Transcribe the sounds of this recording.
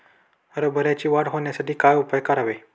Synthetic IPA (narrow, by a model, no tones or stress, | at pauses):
ʋəɾəbʱəɾjat͡ɕiːʋaɽɦoɳjasaʈiːkajupəjkəɾaʋe